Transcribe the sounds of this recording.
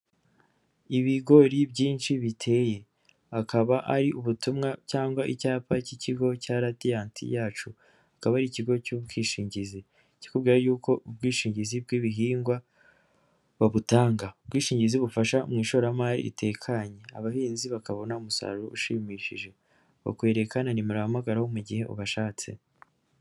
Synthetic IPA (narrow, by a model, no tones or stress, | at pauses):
iβiɡo̞ɾibɟiːnʃiβitʰe̞ːje̞ | akʰaβaʔaɾiʔuβutumŋacaːŋɡwaʔicaːpaciciɡo̞caɾatijaːntʰḭjaːt͡ʃu | akaβaɾiciɡo̞cubɡiːʃiːɲɟizi | ci̥kubɡiːɾajuːko̞ub̚ɡiːʃiːɲɟizibɡiːβiɦiːŋɡwa | βaβutaːŋɡaubɡiːʃiːɲɟiziβufaʃa̰mŋiːʃoɾamaːɾḭḭtʰe̞ːkʰaɲea̰βahiːnziβakaβo̞naumusa̰ɾuɾuʔuʃiːmiːʃiʒe̞ | βa̰kwe̞ːɾe̞kananimuɾahamaɡaɾaho̞muɟihe̞ʔṵβaʃaːt͡se̞̰